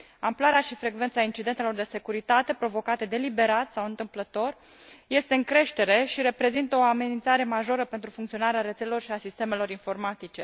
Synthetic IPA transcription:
amplaɾeaʃifɾe̞ɡve̞nt̪saint͡ʃid̪e̞nt̪elo̞rd̪e̞se̞kuɾit̪at̪e̞pɾo̞vo̞kat̪ed̪e̞libe̞ɾat̪sawɨnt̪ɨmplət̪o̞r | je̞st̪e̞ɨŋkɾe̞ʃt̪e̞ɾe̞ʃiɾe̞pɾe̞zint̪əo̞ame̞nint̪saɾe̞maʒo̞ɾəpe̞nt̪ɾufuŋkt̪sio̞naɾeaɾe̞t̪selelo̞rʃiasist̪e̞me̞lo̞ɾinfo̞rmat̪it͡ʃe̞

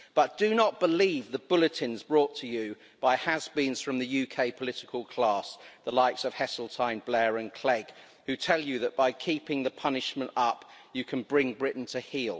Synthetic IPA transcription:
b̥ʌt̚d̥ənəʔ̚b̥əliːvðəbʊlɨtʰɪ̃nzbɹɔˑtʰəjɨ | b̥aɪəzbĩnz̥fɹə̃mðəjʉkʰeɪpʰəlɪtɪkʰəlˠkʰl̥ɑˑsðəlaɪtsəv̥hɛsl̩ˠtʰãɪ̃nblɛːɹə̃nkʰl̥ɛɡ̥ | hʉtʰɛlˠjɨðəʔb̥aɪkʰiˑpɪ̃ŋðəpʰʌnɪʃmə̃ntʌpjɨkʰə̃nbɹɪ̃ŋbɹɪʔn̩tʰəhiːlˠ

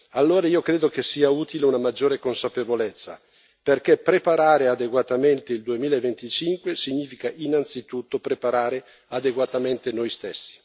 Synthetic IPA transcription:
alːoːɾaiːokɾeːd̪ok̟esːiːauːt̪ileunamad͡ʒːoːɾekonsapevolet̪sːa̰ | perk̟epɾepaɾaːɾead̪eɡwat̪ament̪eild̪uemiːlaevent̪it͡ʃiŋkwesiɲːiːfikaʔinant̪sit̪ut̪ːopɾepaɾaːɾe | ad̪eɡwat̪ament̪enojst̪esːi̥

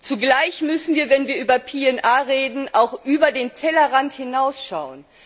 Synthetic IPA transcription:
t͡suɡlaɪçmʏsn̩viːɐvɛnviːɐʔyːbɐpʰeːɛnʔaːʁeːdn̩ʔaʊxʔyːbɐdeːntʰɛlɐʁanthɪnaʊsʃaʊən

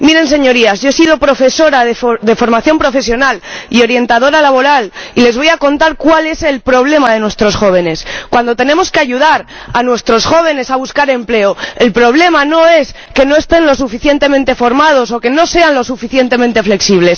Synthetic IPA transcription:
miɾe̞ns̬e̞ɲo̞ɾiazʝoesiðo̞pɾo̞fe̞so̞ɾaðefðe̞fo̞ɾmaθjo̞mpɾo̞fe̞sjo̞nalio̞ɾje̞nt̪aðo̞ɾalaβo̞ɾalile̞zβ̞o̞jako̞nt̪aɾkwale̞se̞lpɾo̞β̞le̞mað̞e̞nwe̞st̪ɾo̞sxo̞β̞e̞ne̞skwand̪o̞t̪e̞nemo̞ske̞aʝuð̞aɾ | anwe̞st̪ɾo̞sxo̞β̞e̞ne̞saβuskaɾe̞mple̞oe̞lpɾo̞βle̞mano̞e̞s | ke̞no̞e̞st̪e̞nlo̞s̬ufiθjent̪e̞mẽnt̪efo̞ɾmað̞o̞so̞ke̞no̞se̞anlo̞sufiθje̞nt̪e̞mẽ̞nt̪efle̞ksiβ̞les

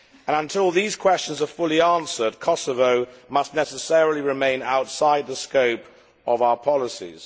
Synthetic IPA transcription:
ə̃ñə̃ntʰɪlˠðiz̥kʰw̥ɛst͡ʃə̃n̩zəfʊlˠiæ̃ˑnsəd̚kʰɒsəvəʊmʌstnɛsəsɛɹəl̩ˠiɹɪmẽɪ̃naʊtsaɪd̪̚ðəskəʊp | əvaʊə˞pʰɑlˠəsḭz̥

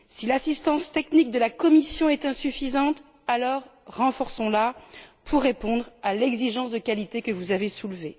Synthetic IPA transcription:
silasist̪ɑ̃st̪ɛknik̚d̪əlakɔmisjɔ̃ɛt̪ɛ̃syfizɑ̃t̪ | alɔʁːɑ̃fɔʁsɔ̃lapʰuʁːepɔ̃d̪ʁalɛɡziʒɑ̃sd̪əkalit̪ekəvuzavesulve

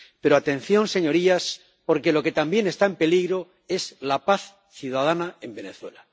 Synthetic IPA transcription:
pe̞ɾo̞at̪ẽ̞nθjo̞nse̞ɲo̞ɾias | po̞ɾke̞lo̞ke̞t̪ambje̞ne̞st̪aempe̞liɣɾo̞ | e̞zlapaθ | θjuðaðanae̞mbe̞ne̞θwela

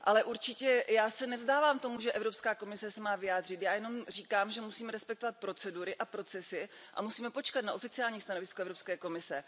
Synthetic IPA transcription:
ʔalɛʔuɾt͡ʃɪcɛjaːsɛnɛvzdaːvaːmt̪o̞muʒɛʔɛvɾopskaːko̞mɪsɛsɛmaːvɪjaːd̪r̝ɪt̪jaːjɛno̞mr̝iːkaːmʒɛmusiːmɛɾɛspɛkt̪ovat̪̚pɾo̞t͡sɛduɾɪʔapɾo̞t͡sɛsɪʔa̰musiːmɛpo̞t͡ʃkat̪naʔo̞fɪt͡sɪaːlɲiːst̪ano̞vɪskoɛvɾopskɛːko̞mɪsɛ

